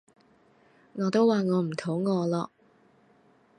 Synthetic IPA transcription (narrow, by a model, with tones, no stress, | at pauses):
ŋɔː˨˧t̪o˥waː˨ŋɔː˨˧m̩˨˩t̪ʰo˨˥ŋɔː˨˧lɔː˧